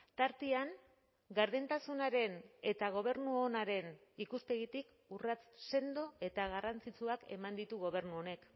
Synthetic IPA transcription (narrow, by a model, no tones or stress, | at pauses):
t̪aɾt̪iaŋ | ɡaɾðent̪asunaɾe̞ne̞t̪aɣ̞o̞β̞e̞ɾnuonaɾe̞nikuspe̞ɣit̪ik | urat͡sse̞nd̪o̞e̞t̪aɣ̞arant͡sit͡suake̞̰mand̪it̪uɣ̞o̞β̞e̞ɾnuo̞ne̞k